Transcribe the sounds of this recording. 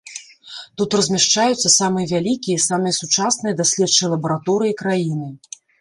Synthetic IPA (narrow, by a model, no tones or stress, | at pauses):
t̪ut̪rɐzʲmʲaʂt͡ʂajut̪sːɐsamɨjɐvʲalʲikʲijɐisamɨjɐsut͡ʂasnɨjɐd̪asʲlʲɛt̪t͡ʂɨlˠɐbɐɾat̪ɔɾɨikɾajinɨ